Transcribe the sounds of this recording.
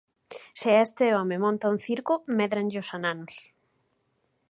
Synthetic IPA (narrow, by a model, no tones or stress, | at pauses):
seaest̪eɔmemɔ̃nt̪aunθiɾkʊmɛðɾaŋʎɪʊsananʊs